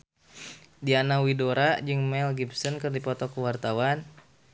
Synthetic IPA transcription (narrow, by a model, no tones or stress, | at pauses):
dianawidoɾad͡ʒɨŋmɛlɡibsɔnkɨrdipɔt̪ɔkuwart̪awan